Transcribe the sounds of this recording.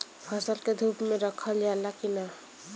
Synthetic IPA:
pʰʌsəlked̪ʱupmeɾəkʰəld͡ʒalakina

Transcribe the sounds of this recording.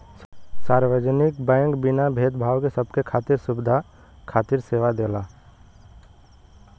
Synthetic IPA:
saːɾwəd͡ʒnɪkbɛ̃ːŋkbɪnabʱeːt̪bʱaːwkesəbʱkekʰaːt̪iɾsʊbɪd̪ʱa | kʰaːt̪iɾseːʋad̪eːla

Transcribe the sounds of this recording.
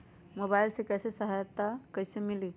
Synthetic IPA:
mobaɪlsekɛsesəɦajət̪ːakəɪsemili

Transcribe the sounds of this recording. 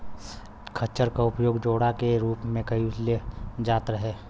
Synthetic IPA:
kʰɐt͡ʃəɾkaʊpjoːɡd͡ʒoːɽakeɾuːpmẽkɐiɪsljed͡ʒaːt̪ɾəɦeː

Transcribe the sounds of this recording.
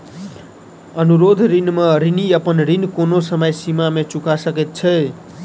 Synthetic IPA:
ʌnuɾod̪ʱɾinmʌɾiniʌpʌnɾinkonosʌmʌjsimamet͡sukasʌket̪̚t͡sʰʌj

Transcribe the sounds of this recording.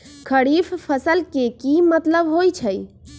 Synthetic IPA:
kʰəɽifʰpʰəsəlkekimət̪ləbɦojt͡ʃʰəj

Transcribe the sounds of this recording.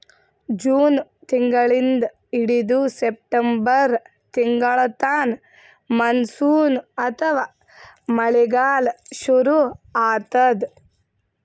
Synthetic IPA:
d͡ʒuːnt̪iŋɡɐɭind̪ɐ | iɽid̪usep̚ʈɐmbɐɾ | t̪iŋɡɐɭɐt̪aːn | mɐnsuːnɐt̪ʰɐʋaː | mɐɭiɡaːlʃuɾuaːt̪ɐd̪

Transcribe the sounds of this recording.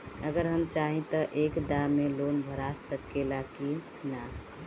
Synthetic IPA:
əɡəɾɦəmt͡ʃaɦĩt̪əʔekd̪amelonbʱəɾasəkːelaki | na

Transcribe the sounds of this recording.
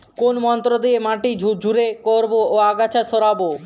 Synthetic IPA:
konmɔnt̪ɾod̪iemaʈid͡ʑʱuɾekoɾboːaɡat͡ɕʰaʃoɾabo

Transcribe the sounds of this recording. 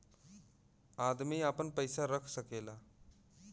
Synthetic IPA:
aːd̪miaːpənpəjsaɾəkʰsəkeːlaː

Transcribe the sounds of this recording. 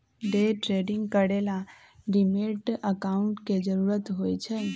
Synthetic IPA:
ɖeʈɾeɖiŋɡkəɽela | ɖimeʈəkaʊɳʈked͡ʒəɾuɾət̪ɦojt͡ʃʰɛ

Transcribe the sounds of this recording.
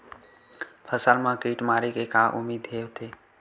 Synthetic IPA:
pʰəsəlmãkiːʈmaːɾekekaʔʊ̰mːiːd̪ɦeːwt̪ʰe

